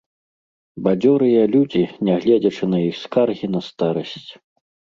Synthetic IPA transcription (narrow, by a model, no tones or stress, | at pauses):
bad͡zʲɔɾɨjɐlʲud͡zʲinʲɛɣlʲɛd͡zʲɐt͡ʂɨnɐjixskarɣʲinɐst̪aɾɐsʲt͡sʲ